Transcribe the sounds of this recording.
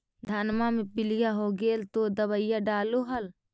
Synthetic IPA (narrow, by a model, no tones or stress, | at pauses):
d̪ʱɐnmamẽpɪlɪjaɦoːɡeːlt̪od̪ɐβəɪjaɖaːloɦɐl